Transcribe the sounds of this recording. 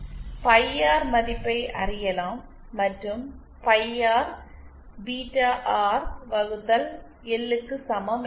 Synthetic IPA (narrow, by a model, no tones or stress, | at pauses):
pɐɪjaːɾmɐðɪpːɐɪʔɐrɪjɐlaːmː | ɐʈrɯm | pɐɪaːɾ | biːʈaːʔaːɾʋɐɣɯt̪ːɐl | ɛlːɯkːɯsɐmɐm